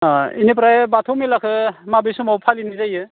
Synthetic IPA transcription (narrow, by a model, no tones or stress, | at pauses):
aḭnep̬ɾaebatʰowmilakʰɯmabisumawpʰalinizajɯ